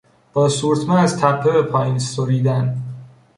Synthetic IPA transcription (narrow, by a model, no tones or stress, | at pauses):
b̥ɒːsuːɾt̪ʰmɛæzt̪ʰæpʰːebepʰɒːjinsoɾiːd̪æn